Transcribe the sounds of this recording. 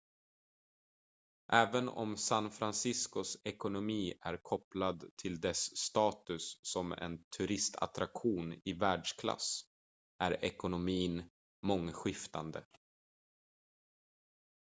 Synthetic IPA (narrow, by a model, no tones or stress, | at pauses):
ʔɛːvənɔ̰msanfɾansɪskʊsɛkʊnʊmiːæɾkʰɔplad̪t̪ʰɪld̪ɛsːt̪ɑːt̪ɵsːɔmɛ̰nt̪ʰɵɾɪst̪ʰa̰t̪ɾakɧuːnɪvæːɖʂkʰla̰s | ʔæɾɛkʊnʊmiːn | mɔŋːɧɪft̪and̪ə̰